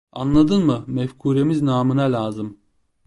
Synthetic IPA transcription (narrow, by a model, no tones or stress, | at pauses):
anlˠad̪ɯnmɯmɛfkʰuːɾemiznaːmɯnalʲaːzɯm